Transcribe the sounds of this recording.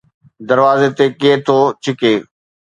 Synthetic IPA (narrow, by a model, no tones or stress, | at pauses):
d̪əɾʋaːzeːt̪eːkeːt̪ʰoːt͡ʃʰɪkeː